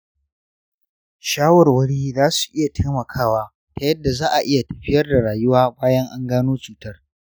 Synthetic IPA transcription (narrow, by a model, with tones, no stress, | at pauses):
ʃaː˦wɔ˨rwɐ˦ɽiː˦zaː˦su̥˨ʔɪ˦ja˨tʰe˦mɐ˨kʰaː˦waː˦ | ta˨jɐ˦dːa˨zaː˦ʔa˨ʔɪ˦ja˨tɐ̥˨ɸɪ˦jɐ˦rda˨ɽaː˨jʊ˦waː˦baː˦jɐ˦ŋʔa˦ŋɡaː˦noː˦t͡ʃuː˨tɐ˦r